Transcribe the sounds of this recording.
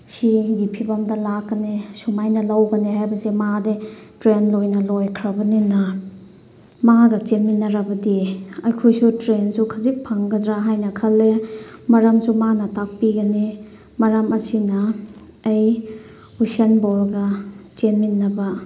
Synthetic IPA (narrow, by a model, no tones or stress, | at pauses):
siɡipʰibɐmdɐlakːɐnesumajnɐlawɡɐnehajbɐsemadetɾenlojnɐlojkʰɾɐbɐninɐ | maɡɐt͡ʃeminːɐɾɐbɐdiɐjkʰojsutɾensukʰɐzik̚pʰaŋɡɐdɾaɦajnɐkʰɐlːemɐɾɐmsumanɐtak̚piɡɐni | mɐɾɐmɐsinɐː | j | usenbolɡɐt͡ʃenmːinːɐbɐ